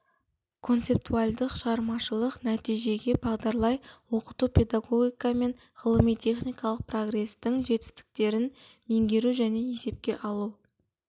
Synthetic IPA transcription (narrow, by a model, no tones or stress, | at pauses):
kʰo̞nt̪se̞p̚t̪ualʲd̪əqʃəʁɑɾmɑʃəlˠəqnæt̪ijʒe̞ɡʲe̞bɑʁd̪ɑɾlˠɑjwo̞qət̪upʲʰe̞d̪aɡo̞ɡʲijkɑme̞n | ʁəlˠəmijt̪ʰe̞χnijkɑlˠəq̚pʰro̞ɡre̞st̪ɪŋʒe̞t̪ɪ̥st̪ɪ̥k̚t̪e̞ɾɪnme̞ŋdʲe̞ɾuʒæne̞e̞se̞p̚kʲe̞ʔɑlˠu